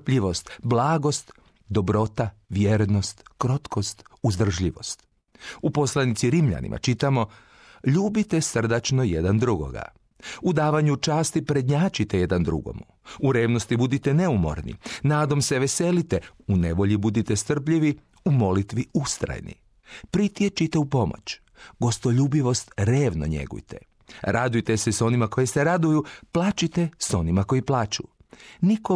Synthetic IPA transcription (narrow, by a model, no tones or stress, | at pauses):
pʎiʋo̞st̪blˠaːɡo̞st̪ | d̪o̞bɾo̞t̪aʋjeːɾno̞st̪kɾo̞t̪ko̞st̪uzd̪r̩ʒʎiʋo̞̰st̪ | upo̞slˠanit̪siɾimʎa̰nḭmʔa̰t͡ʃit̪amo̞ | ʎuːbit̪est̪r̩d̪at͡ʃno̞jed̪and̪ɾuɡo̞̰ɡa̰ | ud̪aːʋaɲut͡ʃaːst̪ipɾed̪ɲaːt͡ʃit̪ejed̪and̪ɾṵɡo̞̰mu | uɾeːʋno̞st̪ibud̪it̪ene̞umo̞̰ɾnḭnaːd̪o̞mseʋese̞lit̪eune̞ʋo̞ʎibud̪it̪est̪r̩pʎiʋi | umo̞lit̪ʋiust̪ɾa̰jnḭ | pɾit̪jet͡ʃit̪e̞upo̞mo̰t͡ɕ | ɡo̞st̪oʎuːbiʋo̞st̪ɾeːʋno̰ɲḛɡṵjt̪ʰḛ | ɾad̪ujt̪eseso̞nimako̞jeseɾad̪ujuplˠaːt͡ʃit̪e̞so̞nimako̞iplˠaːt͡ʃṵ | niko